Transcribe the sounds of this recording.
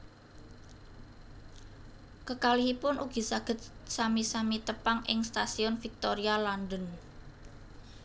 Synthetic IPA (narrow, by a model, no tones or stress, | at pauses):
kəkalɪɦipʊnʔuɡ̥i̤saɡ̥ə̤t̪̚samisamit̪əpaŋʔɪ̰ŋst̪asiɔnfik̚t̪oɾialand̪ən